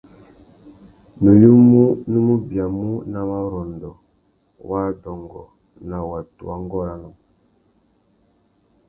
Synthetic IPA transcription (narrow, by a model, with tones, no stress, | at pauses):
nu˨ju˦mu˦nu˦mu˦bi˨a˨mu˦na˨wa˦ɾɔ˨ndɔ˨ | wa˦dɔ˨ŋɡɔ̰˨ | na˨wa˨tṵ˨wa˦ŋ˦ɡɔ˦ɾa˦nɔ˨